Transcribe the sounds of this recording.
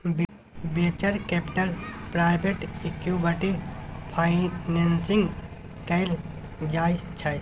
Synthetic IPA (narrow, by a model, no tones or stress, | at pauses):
b | bet͡ʃəɾkepʈəlpɾaːɪbeʈekjubəʈipʰaɪnensɪŋɡ | kɐɪl | d͡ʒaːist͡ʃʰɐ